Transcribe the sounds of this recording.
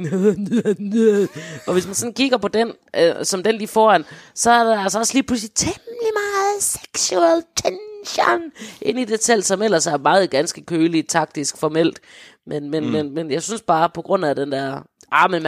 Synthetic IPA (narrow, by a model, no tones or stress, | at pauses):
ɒ̽ʋe̝smænsɒ̽nkiɡ̥ɐpʰɒ̽d̥en | ʔsɒ̽md̥enlifɒːæn̰sɒ̽æɐd̥eælsɐɒ̽sliːpʰlus̬lit͡sʰemlimɑ̈ːð̩ˠse̥ɡ̥suɛlt͡sʰenɕɑnʔe̝n̰id̥e̝sʰel̰̥sɒ̽mel̰ɐsæɐmɑ̈ːð̞̩ˠɡ̥ænsɡ̥əkʰøːlit͡sʰɑ̈ɡ̥̚d̥isɡ̥fɒmel̰d̥ | menmenmenmenjɑ̈ɪsynsb̥ɑ̈ːpʰɒ̽ɡ̥ʁɔ̽n̰æd̥end̥æɐ̰ | ʔɑ̈ːməm